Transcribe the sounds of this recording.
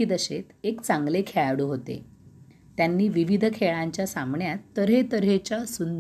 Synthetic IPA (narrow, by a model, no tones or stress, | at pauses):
iːd̪əɕet̪ekt͡sãŋɡlekʰeɭaɽuɦot̪ḛ | t̪janːiːʋiʋid̪ʱəkʰeɭãɲt͡ɕjasamɳjat̪ːəɾɦet̪əɾɦet͡ɕasund̪